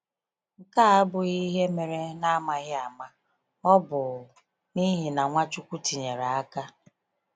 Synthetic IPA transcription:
ŋ̩˨ka˦a˦bʊ˨i˦ɦe˦me˨ɾe˦na˦ma˨ɣɪ˦a˨ma˦ | ɔ˦bʊ˨ | ni˦ɦi˨na˨ŋʷa˦t͡ʃu˦kʷu˦ti˨ɲe˨ɾa˨a˦ka˦

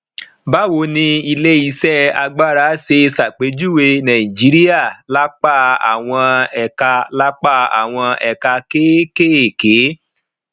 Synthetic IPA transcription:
ba˦wo˧nĩ˧i˧le˦i˧˦sɛ˦a˧ɡ͡ba˦ɾa˨˦se˧sa˨k͡pe˨˦d͡ʒu˦˨we˧nã˨ĩ˨d͡ʒi˨˦ɾi˦a˦˨la˦k͡pa˦˨a̰˨w̃ɔ̃˧ɛ˨ka˧la˦k͡pa˦˨a̰˨w̃ɔ̃˧ɛ˨ka˧ke˦ke˦e˨ke˨˦

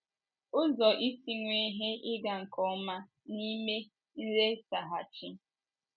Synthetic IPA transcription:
ʊ˦zɔ˨ʔi˦si˦ŋʷe˦ɦe˦ʔɪ˦ɡa˨ŋ̩˨kɔ˨˦ma˦ | ni˦me˦ | n̩˦ɾe˦sa˨ɦa˨t͡ʃi˦

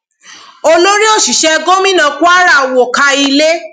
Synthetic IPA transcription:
o˧lo˦ɾi˦o˦˨ʃi˨ʃɛ˦˧ɡo˦mĩ˦nã˧ku˦a˦ɾa˦˨wo˨ka˧i˧le˦

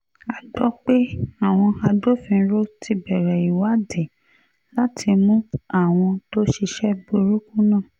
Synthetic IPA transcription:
a˨dɔ˦k͡pe˦a˦˨w̃ɔ̃˧a˧do˦˨fĩ˧˦ɾo˦ti˧bɛ˨ɾɛ˨i˨wa˨˦de˨ | la˦tʰi˧mũ˦a˦˨w̃ɔ̃˧to˦ʃi˧ʃɛ˦bo˧ɾu˦kũ˦nã˦˨

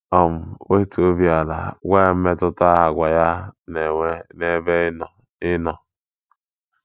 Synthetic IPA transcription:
ɔ˦˨m̩˨we˦i˦to˦vi˦a˨la̰˨ɡʷe˦˨˦me˦tʊ˦ta˦ɦa˨ɡʷa˨ja˦n˨˦ne˦ve˦˨ | ɪ˦nɔ˨

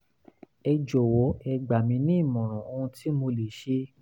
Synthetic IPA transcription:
ɛ˧d͡ʒo˨wo˨˦ɛ˧ɡ͡ba˨mĩ˧nĩ˦i˦˨mɔ̃˨ɾ̃ɔ̃˨o˧ũ˧ti˦mo˧le˨ʃe˧˦

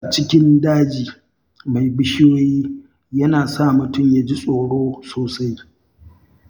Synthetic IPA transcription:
a˨t͡ʃɪ˦kʲɪ˦ndaː˦d͡ʒiː˨ | ma˨jbɪ˦ʃɪ˦joː˦jiː˦ | jɐ˦naː˨sa˦˨mʊ˨tʊ˦˨mjaː˦d͡ʒi˦sʼoː˨ɽoː˦soː˨sa˦j

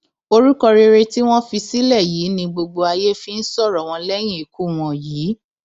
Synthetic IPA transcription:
o˧ɾu˦kɔ˧ɾe˧ɾe˧ti˦w̃ɔ̃˦fi˧si˦lɛ˦˨jiː˨˦nĩ˧ɡ͡bo˧ɡ͡bo˧a˧je˦fi˧n̩˦sɔ˦˨ɾɔ˨w̃ɔ̃˧lɛ˦j̃ĩ˦˨i˨ku˦w̃ɔ̃˨jiː˨˦

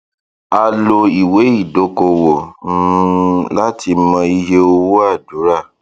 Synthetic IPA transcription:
a˧lo˧i˨we˨˦i˦˨do˨˦ko˧wo˨˦ | la˦ti˧˦mã˧i˧je˧o˧wu˦a˦˨du˨˦ɾa˦˨

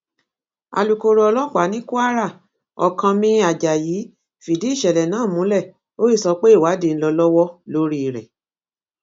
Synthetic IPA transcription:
a̰˨lu˨ko˧ɾo˧ɔ˧lɔ˦˨k͡pa˨˦nĩ˦ku˦a˦ɾa˦˨ | ɔ̰˨kã˧mĩ˧a˨d͡ʒa˨ji˨˦ | fi˨di˨˦i˦˨ʃɛ˨lɛ˨nãː˨˦˨mũ˨˦lɛ˦˨ | o˦i˦˨sɔ˧k͡pe˦˨wa˨˦de˦˨n̩˦lɔ˧lɔ˦wɔ˦lo˦ɾi˦˨ɾɛ̰˨

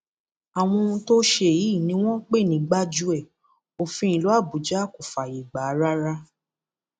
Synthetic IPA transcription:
a˨w̃ɔ̃˧ũ˧to˦ʃe˦˨ji˨˦˨nĩ˧˦w̃ɔ̃˦k͡pe˦˨nĩ˨˦ɡ͡ba˦d͡ʒu˦ɛ˦˨ | o˨fĩ˧˦ĩ˨lo˨˦a˦˨bu˨˦d͡ʒa˦˨ko˨fa˨je˨ɡ͡ba˨˦ɾa˦ɾa˦

